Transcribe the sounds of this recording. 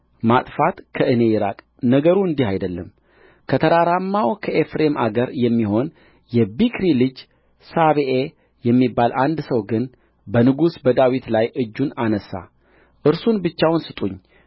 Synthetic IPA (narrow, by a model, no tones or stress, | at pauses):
mat̪ʼfat̪kʰəʔɨne̞jɪɾa̰kʼ | nəɡəɾuɨnd̪ihajd̪əlːəm | kʰət̪ʰəɾaɾamːawkʰəʔefɾemʔa̰ɡəɾjɛmːiho̞n | jɛbikɾilɨd͡ʒ | saβeʔe | jɛmːibːaland̪səwɡɨn | bənɨɡusbəd̪awit̪lajʔɨd͡ʒːunanəsːa̰ | ʔɨɾsunbɨt͡ʃːawnsɨt̪ʼuɲː